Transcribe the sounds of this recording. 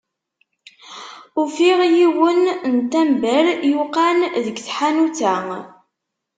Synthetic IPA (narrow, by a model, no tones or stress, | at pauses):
ufiʁjiwənnt̪æmbæɾjuqanðəɡθħanuθæ